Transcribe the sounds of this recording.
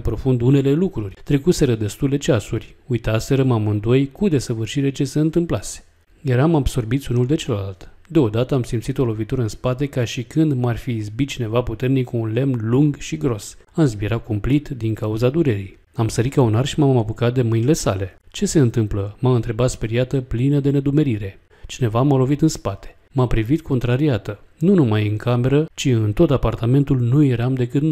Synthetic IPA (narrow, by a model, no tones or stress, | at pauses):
pɾo̞fund̪une̞le̞lukɾurʲt̪ɾe̞kuse̞ɾəd̪e̞st̪ule̞t͡ʃasurʲujt̪ase̞ɾəmamɨnd̪o̞jkud̪e̞səvɨrʃiɾe̞t͡ʃe̞seɨnt̪ɨmplase̥ | jaɾamabso̞rbit̪sʲunuld̪e̞t͡ʃe̞ləlalt̪d̪e̞o̞d̪at̪əamsimt̪sit̪o̞lo̞vit̪uɾəɨnspat̪e̞kaʃikɨnd̪marʲfiːzbit̪̚t͡ʃine̞vaput̪e̞rnikuːnle̞mnluŋɡʃiɡɾo̞s | anzbiɾakumplit̪d̪iŋkauzad̪uɾe̞ɾij | amsəɾikaunarʃimammapukat̪̚d̪e̞mɨjnile̞sa̰le̞t͡ʃe̞se̞ɨnt̪ɨmpləmaɨnt̪ɾe̞bat̪spe̞ɾijat̪əplinəd̪e̞ne̞d̪ume̞ɾiɾe̞ | t͡ʃine̞vamalo̞vit̪ɨnspat̪e̥ | mapɾivit̪kʰo̞nt̪ɾaɾiat̪ənunumajɨŋkame̞ɾət͡ʃiɨnt̪o̞t̪apart̪ame̞nt̪ulnujeɾamd̪e̞kɨt̪n